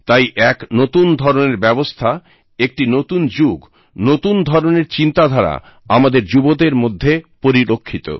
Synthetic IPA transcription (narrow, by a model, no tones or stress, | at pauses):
t̪ajʔɛknot̪und̪ʱɔɾoneɾbɛbost̪ʰa | ek̚ʈinot̪und͡ʑuɡ | not̪und̪ʱɔɾoneɾt͡ɕint̪ad̪ʱaɾa̰ | amad̪eɾd͡ʑubod̪eɾmod̪ʱːepoɾiɾokʰːit̪o̰